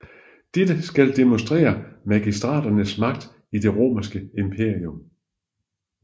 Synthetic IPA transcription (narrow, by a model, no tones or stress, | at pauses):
d̥ed̥əsɡ̥æld̥emonsd̥ʁɛ̰ːɐmæɡ̥isd̥ʁɑ̰̈ːd̥ɐnəsmɑ̈ɡ̥̚d̥ | id̥e̝ʁo̝̰ːmɐsɡ̥əempʰe̝ɐ̰iom